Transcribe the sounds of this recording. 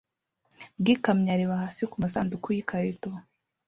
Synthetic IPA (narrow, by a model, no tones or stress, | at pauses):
bɡikamɲaɾiβahasikumasandukujikʰaɾito